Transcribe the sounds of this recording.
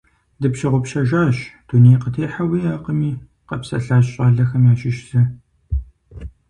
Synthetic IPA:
dɨpɕɪʁʷʊpʃɐʒaːɕd̥uneːjqətʰeːħawiːaːqəmiː | qɐpsɐ̰ɬaːɕɕʼaːɮɐxɐmjaːʃɪʃzɐ

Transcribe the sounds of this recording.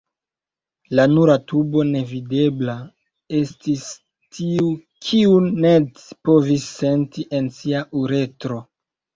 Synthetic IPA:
lanuɾatubo̞ne̞vide̞bla | e̞stis | tʰiu | kʰiunːe̞ | po̞visːe̞ntiʔe̞nsiaʔuɾe̞tɾo̞

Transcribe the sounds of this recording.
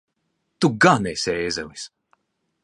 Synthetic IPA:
t̪uɡanɛseːzɛlis

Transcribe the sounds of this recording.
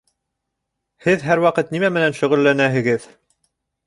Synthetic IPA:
hɘðɦæɾwɑqɤt̪̚nimæmɘ̆nænʃɵ̆ʁɵ̆lːænæɦɘ̆ɡɘð

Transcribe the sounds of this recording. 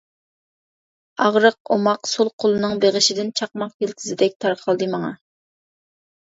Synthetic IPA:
ɑʁɾəq̚omɑqsolˠqʰolˠɨnɨŋbeʁɪʃɪd̪ɪnt͡ʃʰɑq̚mɑqkʲʰelkʲʰizɪd̪ɛk̚ʲt̪ʰɑɾqʰɑlˠd̪ɨmɑŋɑ

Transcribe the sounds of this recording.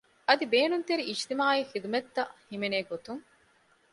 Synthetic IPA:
ɐd̪ibeːnunt̪eɾiʔːd͡ʒt̪imaːixid̪umet̪ːɐhimeneːɡot̪uŋ

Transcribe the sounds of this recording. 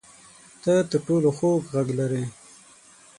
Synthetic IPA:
t̪ət̪əʈoloxokɣaɡlaɾe

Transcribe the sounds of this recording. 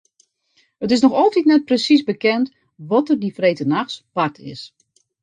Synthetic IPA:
ətɪs̬nɔxɔlˠtitnɛt̚prəsisbəkɛnt | ʋɔtərdifreːtənaxspar̚tʰɪ̰s

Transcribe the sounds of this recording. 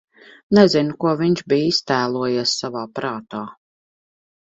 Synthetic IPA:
nɛzinʊkuɔviɲʃbiːist̪æːlˠuɔjiɛsːavaːpɾaːt̪aː

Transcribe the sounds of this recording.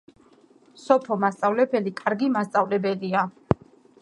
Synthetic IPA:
sɔpʰɔmast̪sʼavlɛbɛlikʼaɾɡimast̪sʼavlɛbɛlia

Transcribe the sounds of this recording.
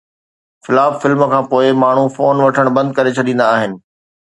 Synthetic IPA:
fɪlaːffɪlmkʰãːpoːɪmaːɳ̤ufoːnʋɐʈʰəɽ̃bɐ̃nd̪̚kɐɾet͡ɕʰɐɗĩːn̆d̪aːɦɪnɪ̆

